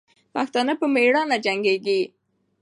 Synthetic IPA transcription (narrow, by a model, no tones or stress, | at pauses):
paxt̪ɑnəpəmeɽɑnad͡ʒaŋɡeɡi